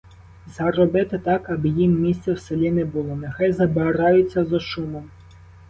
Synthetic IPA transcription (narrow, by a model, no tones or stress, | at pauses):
zɐɾɔbɪt̪ɪt̪ɑkɐbɪjimːʲisʲt̪sʲɛwselʲinɛbʊlˠɔnexɑjzɐbeɾɑjʊt͡sʲːɐzɔʃumɔm